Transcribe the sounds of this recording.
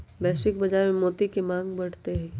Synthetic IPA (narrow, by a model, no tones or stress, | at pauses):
bɛːsɪk̚bɐd͡ʒaːɾmẽmoːt̪ikemãːŋɡbɐɽ̤t̪eɦɛ̃ː